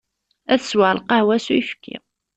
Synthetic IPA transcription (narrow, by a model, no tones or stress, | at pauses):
æθəswalqɑhwæsujfkʰːḭ